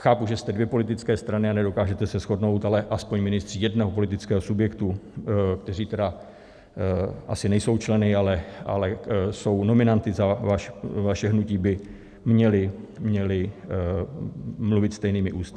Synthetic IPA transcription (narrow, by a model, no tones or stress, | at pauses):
xaːpuʒɛst̪ɛdvjɛpo̞lɪt̪ɪt͡skɛːst̪ɾanɪanɛdo̞kaːʒɛt̪ɛsɛsxo̞dno̞wt̪alɛʔaspo̞ɲmɪnɪst̪r̥iːjɛdnɛɦopo̞lɪt̪ɪt͡skɛːɦosubjɛkt̪uk̚t̪ɛr̝iːt̪ɛda | ʔa̰sɪnɛjso̞wt͡ʃlɛnɪalɛʔa̰lɛso̞wno̞mɪnant̪ɪzavaʃvaʃɛɦnuciːbɪ | mɲɛlɪmɲɛlɪ | mluvɪt̪st̪ɛjniːmɪʔuːst̪